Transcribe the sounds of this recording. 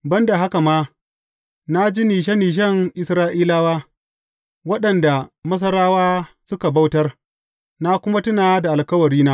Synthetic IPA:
bɐ˦nda˨ɦa˦ka˨maː˦ | na˦d͡ʒi˦niː˨ʃ̬ɛ˦nːiː˨ʃ̬ɐ˦ŋʔɪ˨sɾaː˦ʔiː˦laː˦waː˦ | wɐ˦ɗɐ˨nda˨mɐ˦s̬ɐ˦ɾaː˦waː˦ | sʊ˦ka˨ba˦wtɐ˦r | na˦kʷʊ˦ma˦tʊ˦naː˨a˦da˨ʔa˨lkɐ˦wɐ˨ɾiː˦naː˦

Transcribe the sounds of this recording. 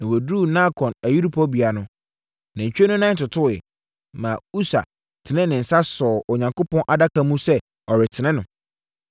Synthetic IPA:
nã˨wo˨duː˦˨nã˦kʰɔ̃˨næ˨ji˦ɾu˦pʰɔ˦bi˨a˨nʊ̃˦ | nã˨ɲ̩˨t͡ɕᶣe˦nʊ̃˦nã˦tʊ˨tʰʊ˦˨ɛ̰˨ | mã˨u˦sa̰˨ | tʰɪ˨nɪ̃˦nɪ̃˨n̩˨sa˦sɔː˨ʔɔ˨ɲã˨ŋkʊ˦pɔ̃˦nʔa˨da˦kʰa˦mũ˦sɛ˦ | ɔ˨ɾɪ˨tʰɪ˨nɪ̃˦nʊ̃˨

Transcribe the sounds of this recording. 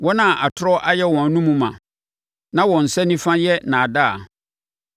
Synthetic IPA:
wɔ˦nã˨ʔa˨tʰɾɔ˦ʔa˦jɛ˦wɔ̃˨n˦nũ˦mũ˨mã̰˨ | nã˦wɔ̃˨n̩˨sɛ˦nĩ˦fã˦jɛ˦nã˨da˦a̰˨

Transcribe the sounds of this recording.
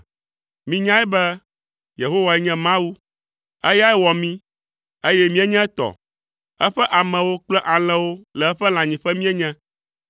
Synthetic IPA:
mĩ˦ɲã˦ɛ˦bɛ˦ | je˨ɦo˦wa˨ɛ˦ɲɛ̃˦mã˦wu˦ | ɛ̰˦ja˦ɛ˦wɔ˨mĩ˦ | e˦jɛ˦mĩ˦ɛ˦ɲɛ̃˦ɛ˦t̪ɔ̰˨ | ɛ˦ɸɛ˦ʔa˨mɛ̃˨wo˦k͡plɛ˦ʔa˨l̃ɛ̃˦wo˦lɛ˨ɛ˦ɸɛ˦l̃ã˨ɲĩ˨ɸɛ˦mĩ˦ɛ˦ɲɛ̃˦

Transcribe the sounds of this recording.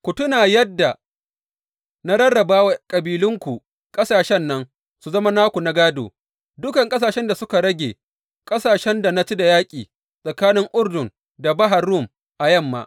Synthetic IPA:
kʷu˨tʊ˦naː˨jɛ˦dːa˨ | na˦ɽɐ˦rɽɐ˨baː˦wa˨kʼɐ˨biː˨lʊ˦ŋkʷu˨ | kʼɐ˦saː˨ʃɛ˦nːɐ˦n | su˨zɐ˦ma˦naː˦kʷu˨na˦ɡaː˦do̰ː˨ | dʊ˦kɐ˨ŋkʼɐ˦s̬aː˨ʃɛ˦nda˨sʊ˦ka˨ɽɐ˦ɡʲḛː˨ | kʼɐ˦saː˨ʃɛ˦nda˨na˦t͡ʃi˦da˨jaː˦kʲʼiː˨ | sʼɐ˨kaː˦nɪ˦ŋʔʊ˦rdʊ˨n | da˨bɐ˦ɦa˨rːʊ˦˨m | ʔa˨jɐ˦˨mːa̰ː˦

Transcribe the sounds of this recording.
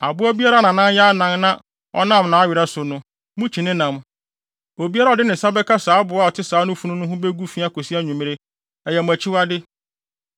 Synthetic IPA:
a˨bʊ˦a˦bi˦a˦ɾa˦nã˨nã˦n˦ja˦nã˦ŋnã˦ | ɔ̰˦nã˦˨mnã˨˦ɥɪ˨ɾa˦sʊ˨nʊ̃˦ | mʊ̃˦t͡ɕʰi˨nɪ̃˦nã˨m | o˨bi˦a˦ɾa˦ɔ˨dɪ˦nɪ̃˨sa˦bɛ˦kʰa˦saː˨˦bʊ˨a˦˨ɔ˨tʰɪ˦saː˨˦nʊ̃˦fu˦nʊ̃˦nʊ̃˦ɦʊ̃˦be˦ɡu˦fi˦a˦ko˨si˦a˦ɲũ˨m̃˦ɾe˦ | ɛ˨jɛ˨mʊ̃˨æ˨t͡ɕʰɪ˦wa˦dɪ˦

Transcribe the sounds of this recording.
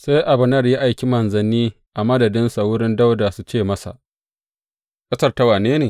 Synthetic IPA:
sa˦jʔa˨bɐ˨nɐ˦rja˦ʔa˨jkʲi˦mɐ˨nzɐ˨niː˦ | ʔa˨mɐ˦dɐ˨dɪ˦nsa˨wʊ˦ɽɪ˦nda˦wda˨su˦t͡ʃeː˦˨mɐ˦sa̰˨ʔ | kɐ˦sɐ˦rta˦waː˨neː˦neː˨

